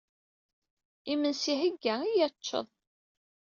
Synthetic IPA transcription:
imənsiɦəɡːæijæt͡ʃːə̰ðˤ

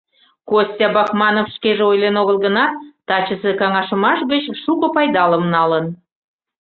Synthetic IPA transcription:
kosʲtʲɑbɑxmɑnofʃkeʒeojlenoɣəlˠɡənɑt̪ɑt͡ɕəsekɑŋɑʃəmɑʃɣət͡ɕʃukŏpɑjd̪ɑləmnɑlən

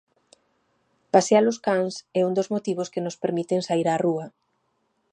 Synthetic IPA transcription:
pasealʊskaŋsɛund̪ozmot̪iβ̞ʊskenʊspeɾmit̪eŋsaiɾaruɐ

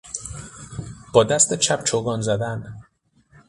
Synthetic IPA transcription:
b̥ɒːd̪æst̪et͡ʃʰæpt͡ʃʰoɡɒːnzæd̪æn

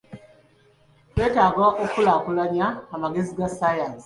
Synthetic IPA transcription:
twe̞ːtaːɡwaʔokulakulaɲaːmaɡe̞ziɡasajaːnsi̥

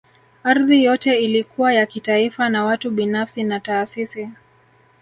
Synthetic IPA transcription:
aɾðijɔtɛilikuwajakitaifanawatuɓinafsinataːsisi

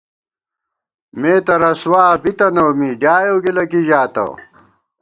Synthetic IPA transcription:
meːt̪ɐɾɐswaːbit̪ɐnowmiɖaːjoːɡilɐkiʑaːt̪ɐ̰

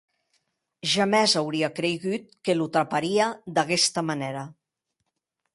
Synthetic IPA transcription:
ʒamɛzawɾiakɾeɣut̪̚kelut̪ɾapaɾiad̪aɣɛst̪əmaneɾa

